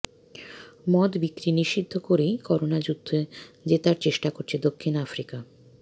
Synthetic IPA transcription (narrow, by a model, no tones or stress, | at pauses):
mɔd̪bikɾiniʃid̪ʱːokoɾejkɔɾonad͡ʑud̪ʱːed͡ʑet̪aɾt͡ɕeʃʈakoɾt͡ɕʰed̪okʰːinafɾika